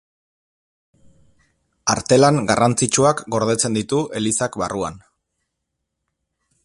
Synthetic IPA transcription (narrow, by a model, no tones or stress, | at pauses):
aɾt̪e̞laŋɡarant͡sit͡ʃuakɡo̞ɾð̞e̞t͡se̞nd̪it̪uʔe̞lisakβa̰rua̰n